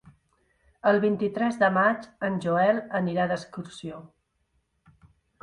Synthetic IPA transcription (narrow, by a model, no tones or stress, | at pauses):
əlˠβint̪it̪ɾɛzðəmat͡ʃənʲʒuɛlˠəniɾaðəskursio